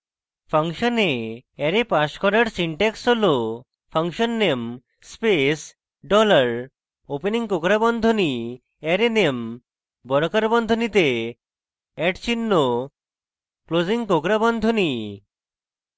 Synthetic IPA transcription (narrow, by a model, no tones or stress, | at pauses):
pʰaŋʃɔneɛɾepaʃkɔɾaɾsiɳʈɛksɦolo | pʰaŋʃɔnːem | spes | ɖɔlaɾ | openiŋkokɾabɔnd̪ʱoni | eɾenem | bɔɾokaɾbɔnd̪ʱonit̪e | ɛʈt͡ɕʰinːo | kloziŋkokɾabɔnd̪ʱoni